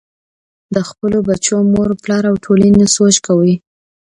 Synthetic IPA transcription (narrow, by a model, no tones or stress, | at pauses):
d̪əxpəlobat͡ʃomoɾplɑɾawʈʰolanesot͡ʃkawəj